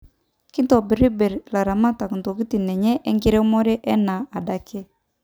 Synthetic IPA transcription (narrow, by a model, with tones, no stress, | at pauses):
ki˦ntɔ˨bi˨ɾi˦bɛ˨ɾla˨ɾa˨ma˦ta˨kn˨to˨ɡi˦ti˨nɛ˨ɲɛ˦ʔɛ˦ŋɡi˦ɾɛ˦mɔ˦ɾɛ˦ʔɛ˦na˨a˨da˨˦kɛ˦